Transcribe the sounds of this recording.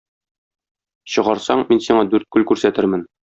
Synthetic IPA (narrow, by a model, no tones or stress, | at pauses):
ɕɤ̆ʁɑɾsɑɴminsiɴɑd̪ʉɾt̪̚kʉlkʉɾsæt̪ɘɾmɘn